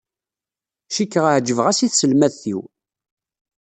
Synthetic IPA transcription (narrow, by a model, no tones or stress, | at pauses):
ʃikːəʁʕd͡ʒːəvʁæsiθsəlmæðθḭw